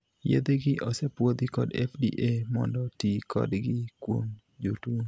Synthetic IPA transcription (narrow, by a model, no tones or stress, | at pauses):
jḛd̪eɡɪʔɔsepwod̪ɪkɔdɛfdḭʔemɔ̰ndɔtikʰɔ̰dɡɪkwo̰ŋ | d͡ʒutu